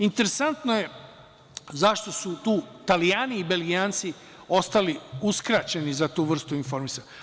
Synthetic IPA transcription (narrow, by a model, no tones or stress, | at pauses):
int̪e̞ɾe̞sant̪noje̞ | zaʃt̪o̞sut̪uːt̪alijaːniːbe̞lɡiaːnt̪si | o̞st̪aliuskɾat͡ɕe̞nizat̪uːʋr̩st̪uinfo̞ɾmisa